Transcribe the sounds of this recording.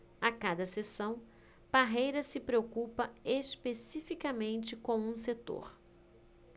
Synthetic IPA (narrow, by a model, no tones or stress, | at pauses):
akad̪ɐsesɐ̃w̃ | b̥aɦejɾɐsɪpɾeokupɐespesifikɐmẽnt͡ʃɪkõw̃ũset̪o̰ɾ